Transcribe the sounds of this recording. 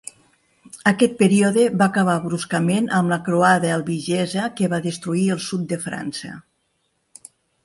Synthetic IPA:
əkɛt̪̚pəɾioðəβaːkəβ̞aβɾuskəmenʔəmləkɾoaðəːlˠβiʒɛzəkeβaðəst̪ɾuiəlˠsut̪̚d̪əfɾa̰nsə̰

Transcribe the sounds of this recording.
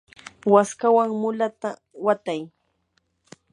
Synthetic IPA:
waskawaŋmʊlat̪a | wat̪aj

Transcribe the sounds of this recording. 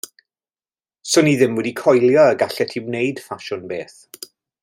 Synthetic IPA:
sʊniðɪmwɛdikʰɔjlˠjɔəɡaɬɛtʰiwneɨd̥faʃʊnbeːθ

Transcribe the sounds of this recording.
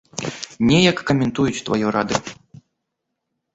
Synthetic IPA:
nʲɛjɐkːɐmʲɛnt̪ujut͡sʲt̪va̰jɔɾa̰d̪ɨ

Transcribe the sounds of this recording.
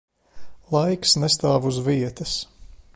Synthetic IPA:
lˠajksnɛst̪aːvuzviɛt̪ɐs

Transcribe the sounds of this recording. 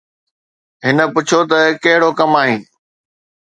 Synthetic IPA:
ɦɪnə̆pʊt͡ɕʰot̪ɐkɐɦɪɽokɐmaːɦĩː

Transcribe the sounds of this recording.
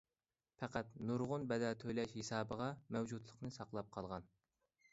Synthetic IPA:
pʰɛqæt̪nuɾʁʊnbɛd̪ɑt̪ʰøjlɛʃhesɑːbəʁɑmɛwd͡ʒud̪lˠəqnɨsɑqlˠɑp̚qʰɑlˠʁɑn

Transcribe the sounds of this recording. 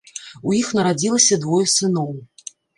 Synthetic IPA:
ujixnɐɾad͡zʲilˠɐsʲɐd̪vɔjɐsɨnɔw

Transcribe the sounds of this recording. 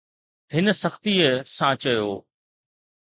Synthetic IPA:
ɦɪnə̆sɐxt̪iəsãt͡ɕɐjoː

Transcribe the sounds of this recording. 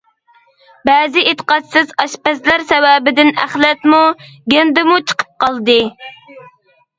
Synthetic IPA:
bɛzɪʔet̪ʰə̥qɑt̪sɪzɑʃpɛslæɾsɛwɛbɪd̪ɪnæ̰χlɛt̪muɡʲend̪ɨmut͡ʃʰə̥qʰə̥p̚qʰɑlˠd̪ɨ

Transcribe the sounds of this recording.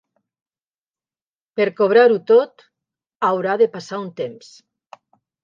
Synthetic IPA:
peɾkoβ̞ɾaɾut̪ot̪ | awɾaðepasaunt̪ems

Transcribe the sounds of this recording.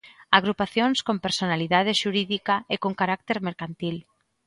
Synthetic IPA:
aɣ̞ɾupaθjonskompeɾsonaliðað̞eʃuɾiðikaekoŋkaɾak̚t̪eɾmeɾkant̪il

